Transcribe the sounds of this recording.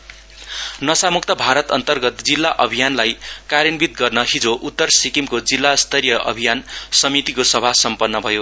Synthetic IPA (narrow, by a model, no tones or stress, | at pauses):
nʌsamuk̚t̪ʌbʱaɾʌt̪ʌnt̪ʌrɡʌt̪̚d͡zilːaʔʌbʱijanlajkaɾinbit̪̚ɡʌrnʌɦid͡zoʔut̪ːʌrsikimkod͡zilːast̪ʌrjʌʔʌ̰bʱijansʌmit̪ikosʌbʱasʌmpʌnːʌbʱʌjo